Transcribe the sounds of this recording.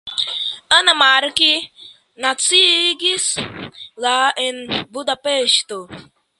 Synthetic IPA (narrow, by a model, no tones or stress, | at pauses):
ənɐmaɾki | nat͡siɡis | laʔenbud̪apeʃt̪o